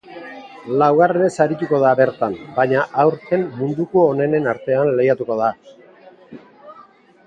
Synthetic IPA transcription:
lawɣareɾesaɾit̪uko̞ð̞abe̞ɾt̪ambaɲaʔawɾt̪e̞mmund̪ukuone̞ne̞naɾt̪e̞anle̞jat̪uko̞ð̞a

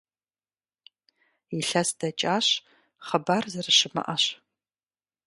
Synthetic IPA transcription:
iɬɐsd̥ɐt͡ʃʼaːɕ | χɐbaːrzɐrɨʃɪmɐ̰ʔɐɕ

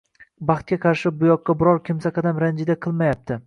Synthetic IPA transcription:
bɑχt̪̚kʲaqʰɑɾʃɪbʊjɒqːɑbɪɾɒɾkʲʰɪmsaqʰɑd̪amɾand͡ʒɪd̪aqʰɨlˠmajap̚t̪ʰɪ

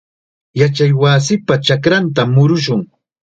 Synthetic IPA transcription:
jat͡ʃajwas̬ɪpat͡ʃakɾant̪̬amːʊɾʊʃʊŋ

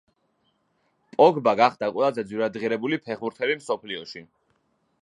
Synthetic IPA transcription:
pʼɔɡbaɡaχd̪̥akʼwɛlˠazɛd̪zwiɾad̪ʁiɾɛbulipʰɛχbuɾt̪ʰɛlimsɔpʰliɔʃi

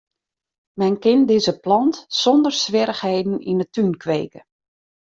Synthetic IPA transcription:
mɛnkɪndɪzəplɑntsɔndərsʋɪɾəxheːdn̩ḭnətynkʰʋeːkə

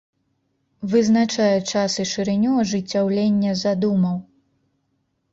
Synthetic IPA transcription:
vɨznat͡ʂajɛt͡ʂasɨʂɨɾɨnʲuɐʐɨt͡sʲːawlʲenʲːɐzad̪umɐw

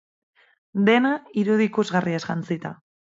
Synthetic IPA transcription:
d̪e̞naiɾuðikuzɣariezɣant͡sit̪a̰

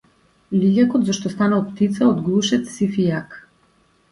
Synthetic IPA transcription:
lʲiɟakɔd̪zɔʃt̪ɔst̪analˠpt̪it̪saɔd̪ɡlˠuʃɛt̪sifijak

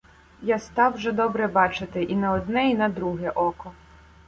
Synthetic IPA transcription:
jast̪ɑwʒɛd̪ɔbɾɛbɑt͡ʃɪt̪ɪʔinɐɔd̪nɛinɐd̪ɾuɦɛʔɔkɔ

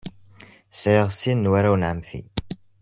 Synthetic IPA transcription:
sʕəʁsinːwaɾawnʕəmθḭ

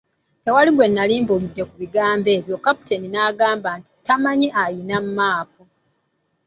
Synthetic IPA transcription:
te̞waliɡwe̞nːaliːmboludːe̞kuβiɡaːmbe̞ːβjo̞kapu̥teninaːɡaːmbaːnti̥tamaɲiʔajinammaːpo

